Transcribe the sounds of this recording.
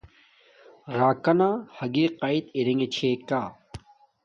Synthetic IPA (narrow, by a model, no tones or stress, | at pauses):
ɾaːkɐnaːhɐɡiːqait̪iɾeŋɡet͡ɕʰeːkaː